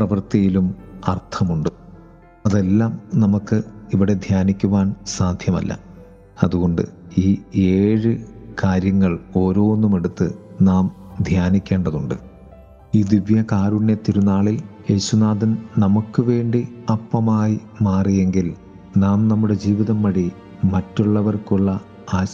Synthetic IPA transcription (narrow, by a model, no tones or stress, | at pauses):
prɐʋɐrt̪ijilumɐrt̪ʰɐmuɳɖɨ | ɐðe̞lːaːmnɐmukːɨiʋiɽe̞d̪ʱjaːnikʲːuʋaːnsaːd̪ʱjɐmɐ̰lːɐ̰ | ɐðuɣo̞ɳɖɨ̰iːe̞ːɻɨkaːɾjɐŋːɐɭo̞ːɾo̞ːonːume̞ɽut̪ːɨnaːmd̪ʱjaːnikʲːe̞ːɳɖɐðuɳɖɨ̰ | iːd̪iʋjɐkaːɾuɳːe̞t̪ːiɾunːaːɭilje̞ːsunaːðɐnnɐmukːɨʋe̞ːɳɖiɐpːɐmaːji | maːrije̞ŋɡil | naːmnɐmːuɽe̞d͡ʑiːʋiðɐmːɐɽi | mɐtːuɭːɐʋɐrkuɭːɐ | aː